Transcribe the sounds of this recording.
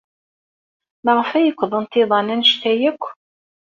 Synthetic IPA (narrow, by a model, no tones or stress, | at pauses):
mæʁəfæjəkʷːðˤənt̪ːɪðˤɑnænʃt̪æjəkʷː